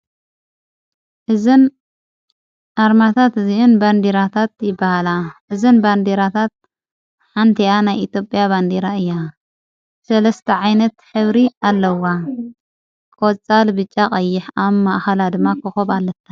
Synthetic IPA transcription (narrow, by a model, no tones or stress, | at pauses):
ʔɨzɨn | ʔaɾmat̪ʰat̪ziʔunband̪eɾat̪ʰat̪jɪbːahalaʔɨzɨnband̪eɾat̪ʰat̪̚ | ħant̪ʰɐjanajit̪ʰjo̞pʼjaβand̪eɾaɨjːa | sɐlɐst̪ʰɐʕajnɐt̪ħɨβɾialːɐwa | kʼot͡sʼalbɨt͡ʃʼːaχʼɐjːɪħaβmaʔxɐlad̪ɨmːakʰɨxoβalːɐt̪ʰːa